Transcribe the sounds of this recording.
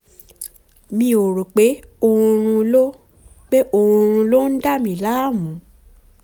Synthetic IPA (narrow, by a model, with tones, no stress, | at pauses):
mĩ˧o˨ɾo˨k͡pe˨˦o˦˧ũ˧ɾ̃ũ˧lo˦ | k͡pe˦ʔo˧ũ˧ɾ̃ũ˧lo˦n̩˦da˦˨mĩ˨la˨˦˨mũ˨˦